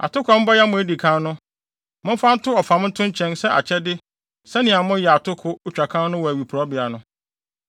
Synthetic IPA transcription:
a̰˨tʊ˦kʰa˨m̩˦bɔ˦ja˦mʊ̃˨æ˦di˨kʰã˦nnʊ̃˦ | mʊ̃˦m˦fã˦n̩˦tʰʊ˦ɔ˨fã˨m˦n̩˦tʰʊ̃˦ɲ˦t͡ɕʰɛ̃˦nsɛ˦ʔa̰˨t͡ɕʰɛ˦dɪ˦ | sɛ˦nɪ̃˨a˨mʊ̃˦jɛ˨a˨tʰʊ˦kʰʊ˦ʊ˨t͡ɕᶣa˨kʰã˦nʊ̃˦wɔ˨æ˨ɥi˨pʰʊ˨ɔ˦bɪ˨a˨nʊ̃˦

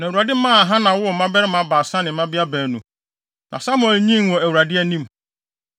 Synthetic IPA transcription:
nã˨u˨ɾa˨dɪ˦mãː˦˨ɦã˦nã˨wʊ˦˨mã˦bɛ˦ɾɪ˦mã˨˦baː˨sã˦nɪ̃˨mã˦bɪ˦a˦bæː˨nũ˨ | nʔã̰˨sa˦mʊ̃˦˨ɛ˨lɲĩ˦n˦wɔ˨æ˨u˨ɾa˨dɪ˦æ˦nĩ˦m

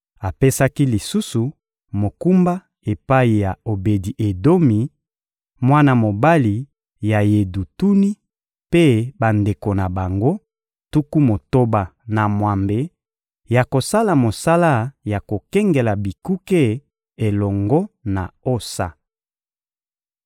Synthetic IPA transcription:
a˨pe˦sa˦ki˦li˨su˦su˨ | mo˨ku˦mba˦ | e˨pa˦i˨ja˨o˨be˨di˨ʔe˨do˦mi˨ | mwa˦na˦mo˨ba˦li˨ | ja˨je˨du˨tu˦ni˦ | pe˦ba˨nde˨ko˨na˨ba˨ŋɡo˦ | tu˦ku˦mo˨to˦ba˨na˨mwa˨mbe˨ | ja˨ko˨sa˦la˨mo˨sa˦la˦ja˨ko˨kɛ˦ŋɡe˨la˨bi˨ku˦ke˦˨ | e˨lɔ˨ŋɡɔ˦na̰˨o˦sa̰˨

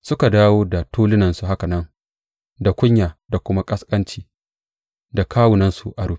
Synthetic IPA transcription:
sʊ˦ka˨daː˦woː˦da˨tʰuː˦lɪ˦nɐ˨nsu˨ɦa˦ka˨nɐ˦ŋ | da˨kʷʊ˦ɲjaː˨da˨kʷʊ˦ma˦kʼɐ˦skʼɐ˦nt͡ʃiː˦ | da˨kʰaː˦wʊ˨nɐ˦nsu˨ʔa˨ɽu˦ɸ

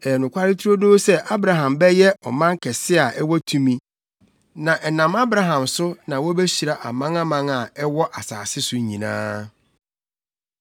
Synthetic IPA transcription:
ɛ˨nʊ̃˨kʷa˦ɾɪ˦tʰu˦ɾo˦noː˦sɛ˦ʔa˦bɾa˨ɦã˨mbɛ˦jɛ˦ʔɔ̰˨mã˦ŋ˦kʰɛ˨sɪ˦a˨ʔɛ˦wɔ˦tʰũ˦mĩ˨ | nã˨ʔɛ˨nã˨ma˦bɾa˨ɦã˨msʊ˦nã˨wɔ˦bɛ˦ɕi˨ɾa˨ʔa˨mã˦ŋã˦mã˦ŋa˨ɛ˦wɔ˦ʔa˨saː˨sɪ˦sʊ˨˦ɲĩ˨nã̰ː˦

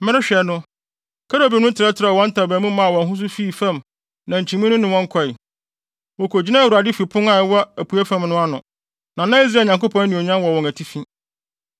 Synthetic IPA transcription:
m̩˦mɪ̃˦ɪ̃˦ɕᶣɛ˨nʊ̃˦ | kʰa˦ɾo˨bi˨nʊ̃˦tʰɪ˨ɾɛ˦tʰɪ˨ɾa˨wɔ̃˦n̩˦tʰa˨bæ̃˨mũ˦mã˦a˨wɔ̃˨nɦʊ̃˦s̬ʊ˦fiː˦˨fã˦˨m | nã˨ɲ̩˨t͡ɕʰĩ˨mĩ˦nʊ̃˦nɪ̃˨wɔ̃˦ŋ˦kʰɔ˨ɪ˨ | wɔ˨kʰo˨d͡ʑi˦nã˦˨wu˨ɾa˨dɪ˦fi˨pʰʊ̃˦ŋa˨˦wɔ˦æ˨pʰu˨æ˦fã˦mnʊ̃˦a˦nʊ̃˨ | nã˨nã˦i˦zɲã˨ŋko˦pʰɔ̃˦n˦nɪ̃˨o˨ɲã˦wɔ˨wɔ̃˨ŋæ˨tʰi˦fĩ˦

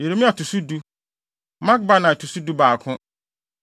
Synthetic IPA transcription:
je˨ɾe˦mĩ˦a˨tʰu˨su˦du˦ | mã˦k̚ba˦nã˨tʰu˨su˦du˦baː˨kʰʊ̃˦

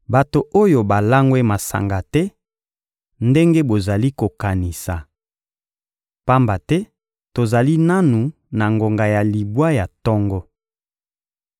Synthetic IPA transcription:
ba˨to˨ʔo˦jo˨ba˨la˦ŋɡwe˦ma˨sa̰˨ŋɡa˨tɛ˦ | nde˦ŋɡe˦bo˨za˨li˦ko˨ka˨ni˨sa˨ | pa˦mba˨tɛ˦ | to˨za˨li˦na˦nu˨ | na˨ŋɡo˨ŋɡa˨ja˨li˨bwa˦ja˨tɔ˦ŋɡɔ˦

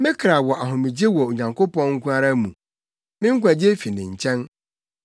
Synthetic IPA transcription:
mɪ̃˦kʰɾa˨wɔ˨ʔa˨ɦʊ̃˨mɪ̃˨d͡ʑe˦wɔ˨o˨ɲã˨ŋkʰo˦pɔ̃˦nŋ̩˦kʰʷũ˦a˦ɾa˦mũ˨ | mɪ̃˦ŋ̩˦kʷa˨d͡ʑe˦fi˨nɪ̃˨ɲ̩˨t͡ɕʰɛ̃˦n

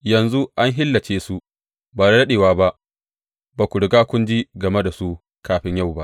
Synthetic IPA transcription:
jɐ˨nzu˦ʔa˦ŋɦɪ˦lːɐ˨t͡ʃeː˦su˦ | baː˨ɽa˦ɽɐ˦ɗeː˨waː˦ba˦ʔ | baː˨kʷʊ˨ɽʊ˨ɡaː˦kʷʊ˦nd͡ʒi˦ɡɐ˨me˦da˨su˦ | kaː˦ɸɪ˦ɲja˦˨wba˦ʔ

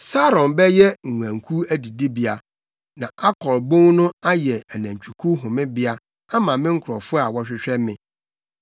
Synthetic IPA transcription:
sa˦ɾɔ̃˨nbɛ˦jɛ˦ŋ̩˨wʷã˨ŋ̩kʰu˦æ˦di˨di˦bi˨a˨ | nã˨a˦kʰɔ˨lbõ˦ŋnʊ̃˦a˦jɛ˨æ˨næ̃˨ɲ˨t͡ɕᶣi˨kʰu˦ɦʊ̃˨mɪ̃˦bɪ˦a˦ | a˦mã˨mɪ̃˦ŋ̩˦kʰʊ˨ɾɔ˨fʊ˦a˨wɔ˦ɕᶣɪ˦ɕᶣɛ˦mɪ̃˨

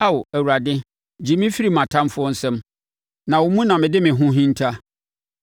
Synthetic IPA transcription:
a˦wæ˨wu˨ɾa˨dɪ̃˦ | d͡ʑi˨mĩ˦fi˦ɾi˦˨mã˨tʰã˦m˦fʊ˦ɔ˦n̩˦sɛ̃˦m | nã˨wʊ˨mũ˦nã˨mɪ̃˨dɪ˦mɪ̃˨ɦũ˦ɦĩ˦n̩˦tʰa˦

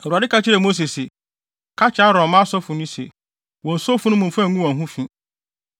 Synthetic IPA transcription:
n̩˨ɾu˨a˨dɪ˦ka˦t͡ɕʰɪ˦ɾɛ˨mo˦s̬e˨se˨ | kʰa˦t͡ɕʰa˦ɾɔ̃˨mã˦sɔ˦fʊ˨nʊ̃˦sḛ˨ | wɔ̃˨n̩˨sɔ˦fʊ˨nʊ̃˦mũ˨mfã˦˨ŋũ˦wɔ̃˨ɦʊ̃˦fĩ˦

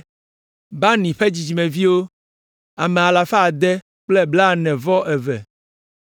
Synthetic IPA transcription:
ba˦nĩ˨ɸe˦d͡ʑi˨d͡ʑi˨mɛ̃˨vi˦wo˦ | a˨me˨a˨la˨fa˦˨d̪ɛ˦ | k͡plɛ˦bla˦˨nɛ̃˨vɔ˦ʔɛ˨vɛ˨

